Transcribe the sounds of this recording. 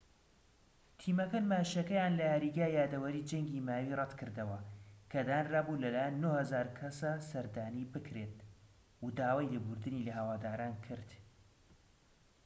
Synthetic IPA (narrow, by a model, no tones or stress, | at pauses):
t̪ʰiːmɐkɐnmaːʃɐkɐjaːnlɐhɐɾiːɡaːjaːd̪ɐwɐɾid͡ʒɐŋɡiːmaːwiːrˤɐt̪kʰɨɾd̪ɐwɐkʰɐd̪aːnraːbulɐlaːjɪnːohɐzaːɾkʰɐsasɐɾd̪aːniːbɨkɾet̪̚ | ud̪aːwaːjlebuɾd̪ɨnilɐɦɐwaːd̪aːɾaːnkʰɨɾd̪